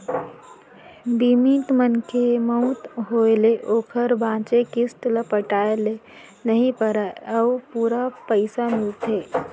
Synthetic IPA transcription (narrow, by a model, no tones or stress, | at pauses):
bimit̪mənkʰeməut̪ɦoeleʔoːkʰəɾbʱãːt͡ʃekist̪ləpəʈaːele | nəɦipəɾaəwpuːɾapəɪsamɪlt̪eː